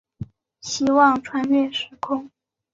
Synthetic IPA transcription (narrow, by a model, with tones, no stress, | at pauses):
ɕi˥wɑ˥˩ŋʈ͡ʂʰwa˧˥nɥɛ˥˩ʂɻ̩˧˥kʰʊ˥˩ŋ